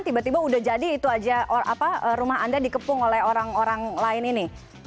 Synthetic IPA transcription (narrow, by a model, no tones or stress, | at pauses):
nt̪ibat̪ibaudahd͡ʒadiːt̪uad͡ʒaoʔapaəɾumahandadikəpʊŋolɛhoɾaŋoɾaŋlaɪnini